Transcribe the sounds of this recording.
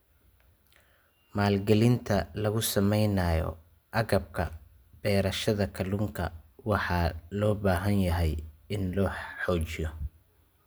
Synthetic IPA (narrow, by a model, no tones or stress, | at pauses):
maːlɡɐlɪnt̪ʰɐlɐɣʊsɐmɛjnɐjɔ̰ | ʔɐɣɐb̚kʰɐ̰ | b̥ɛːɾɐʃɐðɐkʰɐluŋkʰɐwɑħɑlɔːbaːɦɐnjɐɦɛjɪnlɔːħɔːt͡ʃɪjɔ